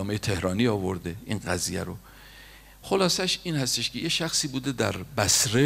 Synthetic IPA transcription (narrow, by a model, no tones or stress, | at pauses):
ɒːmejet̪ʰe̞hɾɒːniːɒːvoɾd̪eiːnɢæziːjæ̰ɾo | xolɒːsæʃiːnhæst̪eʃkʲʰe̞jeʃæxsiːbuːd̪ed̪æɾbæsɾe